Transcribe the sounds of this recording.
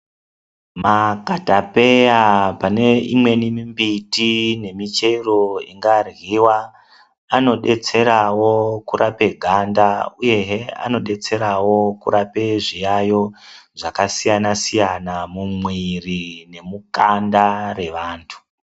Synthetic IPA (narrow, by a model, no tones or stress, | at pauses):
makatape̞japane̞ḭmwe̞nimimbitine̞mit͡ʃe̞iro̞ḭŋɡarɣiwaː | no̞ɗe̞t͡se̞ɾawo̞kuɾʔape̞ɡʱandauje̞ɦea̰no̞ɗe̞t͡se̞ɾawo̞kṵɾape̞ʐijajo̞ʐakasijanasijanamumwirine̞mukandare̞ʋaːntʰu̥